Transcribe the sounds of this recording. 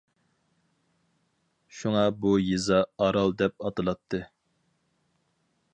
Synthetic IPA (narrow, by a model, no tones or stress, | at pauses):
ʃuŋɑbujizɑɑɾɑlˠd̪ɛpɑt̪ɨlˠɑt̪ʰːɨ